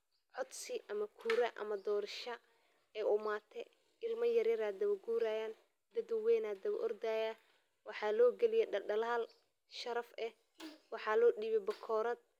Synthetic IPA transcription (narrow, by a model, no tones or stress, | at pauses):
ʕɔd̪sɪʔɐmɐkʰuːɾɐʔɐ̰mɐd̪ɔːɾɐʃɐ | ɛjʔʊmaːt̪ʰɛ | ɪlmɐjɐɾɪɾaːd̪ɐβɐɡuːɾaːjaːn | d̪ɐd̪wɛːnaːd̪ɐβɐʔɔrd̪aːja | wɑħɑːlɔːɡɛlɪjɛɐɐlaːl | ʃɐɾɐfɛ | wɑħɑlɔːɗiːβɛbɐkʰɔːɾɐd̪̚